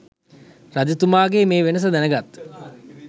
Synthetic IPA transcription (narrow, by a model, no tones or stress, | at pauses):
rad͡ʒ̪it̪umaːɡeːmeːʋenəs̬əd̪ænəɡat̪